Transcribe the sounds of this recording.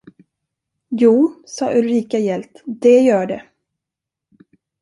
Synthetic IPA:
juːsɑ̰ːʔɵlɾiːkajɛlt̪d̪ɛjœːɖɛ

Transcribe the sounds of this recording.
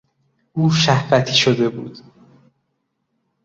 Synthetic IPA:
ʔuːʃæhvæt̪ʰiːʃod̪e̞buːd̪̥

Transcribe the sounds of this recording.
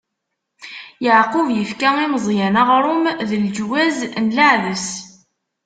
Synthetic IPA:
jəʕqʊvjəfkæiməzˤjænaʁɾˤʊmðəld͡ʒwæznlaʕðəs

